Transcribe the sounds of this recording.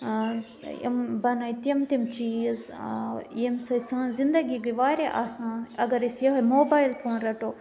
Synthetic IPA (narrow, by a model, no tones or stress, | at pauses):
ḭmbɐnoit̪ɐmt̪imt͡ʃiːz | jemsɐsãːzind̪ɐɡikiʋaːɾeʔaːsãːɐɡɐɾisjɐɦɐmoːbaːjlfʰoːnɾɐʈoː